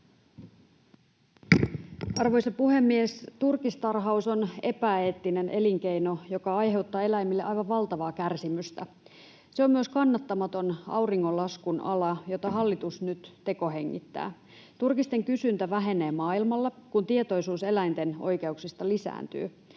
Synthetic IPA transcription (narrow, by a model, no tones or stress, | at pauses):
ɑrʋo̞jsɑpuɦe̞mːiest̪urkist̪ɑrɦɑuso̞ne̞pæeːt̪ːine̞nʔe̞liŋke̞jno̞jo̞kɑɑjɦe̞wt̪ːɑːe̞læjmːilːeʔɑjʋɑʋʋɑlt̪ɑʋɑːkærsimyst̪æ | seo̞mːyøskɑnːɑt̪ːɑmɑt̪o̞nɑ̰wriŋːo̞lːɑskunɑ̰lɑjo̞t̪ɑɦɑlːit̪usnyt̪t̪e̞ko̞ɦeŋːḭt̪ːæ̰ː | t̪urkist̪e̞ŋkysynt̪æʋæɦe̞ne̞ːmɑːilmɑlːekunt̪iet̪o̞jsuːse̞læjnt̪e̞no̞̰jke̞uksist̪ɑlisæ̰ːnt̪y̰ː